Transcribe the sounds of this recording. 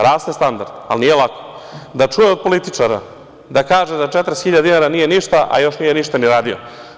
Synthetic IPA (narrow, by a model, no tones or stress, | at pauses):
ɾaːst̪est̪and̪a̰ɾd̪a̰lniːjelˠako̥ | d̪at͡ʃujeopolit̪it͡ʃaɾa̰ | d̪akaːʒed̪at͡ʃet̪ɾesxiʎad̪inaɾaniːjeniʃt̪aʔa̰jo̞ʃnijeniʃt̪aniɾaːd̪io̰